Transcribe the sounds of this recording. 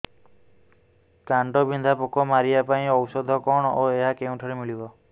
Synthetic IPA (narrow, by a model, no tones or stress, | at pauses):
kaɳʈɔbind̪ʱapɔkɔmaɾiapaĩɔwsɔd̪ʱɔkɔɳ̃ɔoeɦakew̃ʈʰɔɾemiɭibɔ